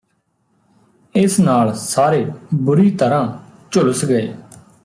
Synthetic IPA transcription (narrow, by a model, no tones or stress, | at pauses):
ɪsnaːlsaːɾeːbʊɾiːt̪əɾãːt͡ʃʊləsɡəḛː